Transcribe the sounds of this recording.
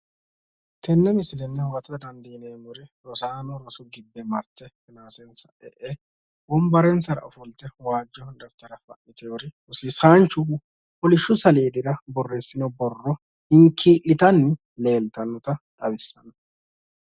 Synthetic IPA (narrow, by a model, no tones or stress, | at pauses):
t̪ʰɛnːɛmɪsɪd̪ɛnːɛwɐt̪ɐd̪ɐnd̪iːneːmʊɾɪɾɔsaːnɔɾɔsʊɡɪbːɛmɐɾt̪ːɛfɪnaːsɛnsɐʔɛ̰ʔɛ | bɔmbɐɾɛnsɐɾɐ̰ɔfʊlt̪ɛwaːd͡ʒːɔd̪ɐft̪ɐɾɐfɐʔɪt̪ɛɔɾɪ | ʊsisaːnt͡ʃʊ | pɔlɪʃːʊsɐlɛːd̪ɪɾɐbɔrːeːsːɪnɔbɔrːɔ | hɪŋkʰiːʔɪt̪ɐnːɪ | le̞ːlt̪ɐnːɔt̪ɐt̪ʼɐβɪsːɐnɐ